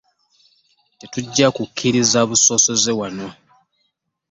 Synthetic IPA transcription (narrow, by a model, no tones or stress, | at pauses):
te̞tuɟːakukʰːiɾizaβuso̞ːso̞ze̞wano